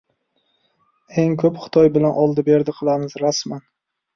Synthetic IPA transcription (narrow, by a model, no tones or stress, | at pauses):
eŋkʰɵpχɨ̥t̪ʰɒjbɪlanʔɒlˠd̪ɪbe̞ɾd̪ɪqʰɨlˠamɪzɾasman